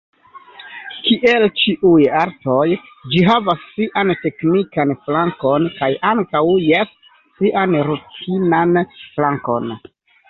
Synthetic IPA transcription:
kiʔe̞lt͡ʃiʔujaɾto̞j | d͡ʒiɦavasːiʔante̞knikanflaŋko̞nkajaŋkawjesː | iʔanɾutʰinanflaŋko̞̰n

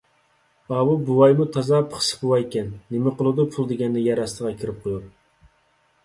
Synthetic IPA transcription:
ɑwubuwɑjmut̪ʰɑzɑpʰχʰə̥sə̥buwɑjkʲɛnːemɪqolˠɨd̪upʰulˠd̪eɡʲɛnd̪ɪjɛɾɑst̪əʁɑkʲʰiɾɪp̚qʰojuɾ

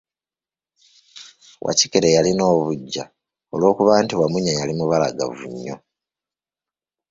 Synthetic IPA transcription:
wʔa̰cikeɾejalino̞ːβuɟːa̰ | olwo̞ːkuβaːntiwamuɲajalimuβalaɡa̰vṵɲːo̞

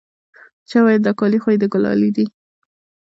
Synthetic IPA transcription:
t͡ʃawɑjad̪ɑkɑlixojd̪əɡʊlɑ̰lid̪i

